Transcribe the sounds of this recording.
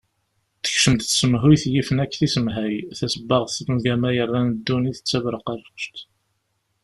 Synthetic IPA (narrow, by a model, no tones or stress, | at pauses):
θə̥çʃəmd̪θə̥səmɦujθjifənækːθisəmɦæjθæsəbːəʁθɾumɡæmæjərˤːænəd̪ːuniθə̥t͡sːævɾəqɑɾˤəʃt̪